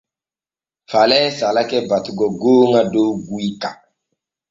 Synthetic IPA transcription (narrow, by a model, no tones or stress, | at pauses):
falɛsalakɛbatuɡɔɡoːŋadowɡuika